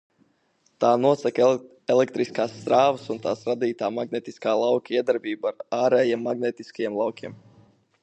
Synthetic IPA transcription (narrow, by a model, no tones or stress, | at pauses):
t̪aːnuɔsak | ɛlɛk̚t̪ɾiskaːsːt̪ɾaːvəsunt̪aːsɾad̪iːt̪aːmaɡnɛt̪iskaːlˠawkʲaiɛd̪aɾbiːbuaɾaːɾɛjiɛmːaɡnɛt̪iskajɛmlˠɑwkʲʰiɛm